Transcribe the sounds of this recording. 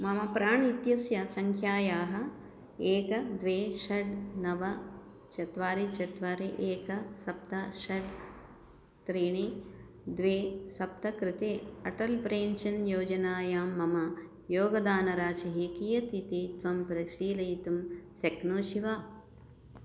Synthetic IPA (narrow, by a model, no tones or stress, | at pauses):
mɐmɐpɾaːɳit̪jɐsjɐsɐŋkʰjaːjaːɦɐ̆ | eːkɐd̪ʋeːʃɐɖnɐʋɐ | t͡ʃɐt̪ʋaːɾit͡ʃɐt̪ʋaːɾiʔeːkɐsɐp̚t̪ɐʃɐɖ | t̪ɾiːɳi | d̪ʋeːsɐp̚t̪ɐkɾɪt̪eːɐʈɐlpɾeːnt͡ʃɐnjoːd͡ʒɐnaːjaːmːɐmɐ | joːɡɐd̪aːnɐɾaːt͡ʃɐɦikijɐt̪it̪it̪ʋɐmpɾɐʃiːlɐjt̪umsɐknoːʃiʋaː